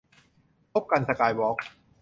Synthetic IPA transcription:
pʰo˦˥p̚ka˧nsa˧kaː˧jwɔː˦˥k̚

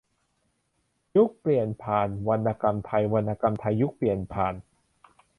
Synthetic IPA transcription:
ju˦˥k̚pli˨˩ənpʰaː˨˩nwa˧nʔa˧ka˧mt̪ʰa˧jwa˧nʔa˧ka˧mt̪ʰa˧jːu˦˥k̚pli˨˩ənpʰaː˨˩n

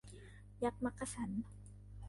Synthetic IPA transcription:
ja˧˥k̚ma˧˥kːa˧sa˩˦n

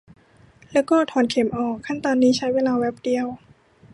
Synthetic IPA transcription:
lɛː˦˥wkɔː˥˩t̪ʰɔː˨˩nkʰe˩˦mʔɔː˨˩kʰːa˥˩nt̪ɔː˧nːiː˦˥t͡ɕʰa˦˥jweː˧laː˧wɛ˦˥p̚di˧əw

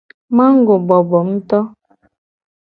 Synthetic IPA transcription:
ma˦ŋ̩˦ɡo˨bɔ˨bɔ˨m̩˦tɔ˦

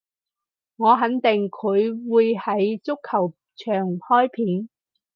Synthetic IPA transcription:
ŋɔː˨˧ɦɐ˨˥nt̪ɪ˨ŋkʰɵ˨˧ɥwuː˨˧jhɐ˨˥jt͡sʊ˥kʰːɐ˨˩w | t͡ʃʰœː˨˩ŋhɔː˥jpʰiː˨˥n

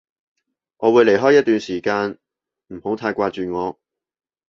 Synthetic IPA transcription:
ŋʔɔː˨˧wuː˨˧jle˨˩jɦɔː˥jːɐ˥t̚t̪yː˨˧nsiː˨˩kaː˧n | m̩˨˩ho˨˥wt̪ʰaː˧jkʷaː˧t͡ʃyː˨ŋɔː˨˧

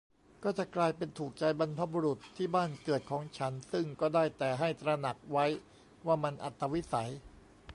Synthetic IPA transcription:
kɔː˥˩t͡ɕa˨˩klaː˧jpe˧nt̪ʰuː˨˩k̚t͡ɕa˧jba˧npʰa˧˥buː˧ɾu˨˩t̪ʰːiː˥˩baː˥˩nkɤ˨˩t̪̚kʰɔː˩˦ŋt͡ɕʰa˦˥nsɯ˥˩ŋkɔː˥˩daː˥˩jt̪ɛː˨˩ɦa˥˩jt̪ɾa˧na˨˩k̚wa˦˥j | waː˥˩ma˧nʔa˨˩t̪ːa˧wi˦˥sa˩˦j

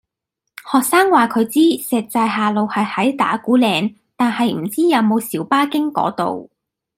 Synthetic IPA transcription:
hɔː˨k̚saː˥ŋwaː˨˩kʰɵ˨˧ɥt͡siː˥sɛː˨k̚t͡saː˧jɦaː˨lo˨whɐ˨jhɐ˨˥jt̪a̰ː˨˥kuː˨˥lɛː˨˧ŋ | t̪aː˨nhɐ˨jm̩˨˩t͡siː˥jɐ˨˧wmo˨˧wsiː˨˥wpaː˥kɪ˥ŋkɔ̰ː˨˥t̪o̰˨w

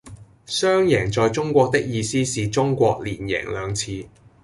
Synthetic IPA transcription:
sœː˥ŋjɛː˨˩ŋt͡sɔː˨jt͡sʊ˥ŋkʷɔː˧k̚t̪ɪ˥k̚jiː˧siː˥siː˨t͡sʊ˥ŋkʷɔː˧k̚liː˨˩njɛ̰ː˨˩ŋlœː˨˧ŋt͡sʰiː˧

